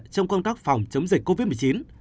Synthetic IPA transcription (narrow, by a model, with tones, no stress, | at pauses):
t͡ɕɔ˧wŋ͡mkɔ˧wŋ͡mt̪aː˦˥k̚fa˨˩wŋ͡mt͡ɕə˨˦ŋ͡mzï˨˩k̟ko˧vi˦˥t̚mɨ˨˩t͡ɕi˨˦n